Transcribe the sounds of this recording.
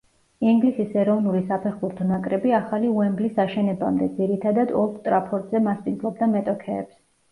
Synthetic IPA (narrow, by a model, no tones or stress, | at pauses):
iŋɡlisisɛɾɔvnulisapʰɛχbuɾt̪ʰɔnakʼɾɛbiaχaliuɛmblisaʃɛnɛba̰md̪ɛd̪ziɾit̪ʰad̪ad̪ɔlˠkʰt̪ʼɾapʰɔɾt̪ʼzɛmasp̪ʼizlˠɔb̚d̪amɛt̪ʼɔkʰɛ̰ːps